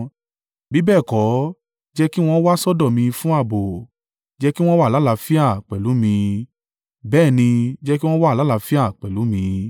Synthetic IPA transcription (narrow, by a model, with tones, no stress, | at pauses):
bi˨˦bɛː˦˨kɔ˨˦ | d͡ʒɛ˦ki˦w̃ɔ̃˦wa˦sɔ˦dɔ˦˨mĩ˧fũ˦a˦˨bo˨ | d͡ʒɛ˦ki˦w̃ɔ̃˦wa˦˨la˨˦la˧fi˦a˦˨k͡pɛ˨lu˨˦mĩ˧ | bɛː˦˨nĩ˧d͡ʒɛ˦ki˦w̃ɔ̃˦wa˦˨la˨˦la˧fi˦a˦˨k͡pɛ˨lu˨˦mĩ˧